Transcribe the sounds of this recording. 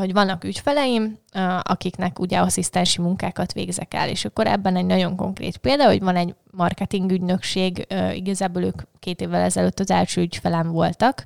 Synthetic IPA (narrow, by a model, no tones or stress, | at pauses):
ho̞ɟʋɒnːɒkycfɛlɛjimɒ̰kiknɛkuɟɛɒsist̪ɛnʃimuŋkaːkɒt̪ʋḛːɡzɛkɛ̰lḛːʃɒkːo̞ɾɛ̰bːɛnɛɟnɒɟo̞ŋko̞̰ŋkrḛːt̪peːld̪ɒɦo̞̰ɟʋɒnɛɟ | mɒrkɛt̪iŋɡyɟnø̞kʃeːɡḭɡɒzaːboːløːkkeːt̪eːvːɛlɛzɛløt̪ːɒzɛlʃøːycfɛlɛɱvo̞lt̪ɒk